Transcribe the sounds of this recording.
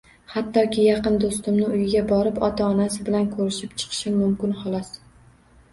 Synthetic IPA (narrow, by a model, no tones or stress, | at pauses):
hat̪ʰːɒkʲʰɪjɑqɨnd̪ost̪ɪmnɪʊjɪɡʲabɒɾɪpɒt̪ʰaɒnasɪbɪlankʰɵɾɪʃɪpt͡ʃʰɨ̥qʰɨ̥ʃɪmmʊmkʲɪnhɒlˠɒs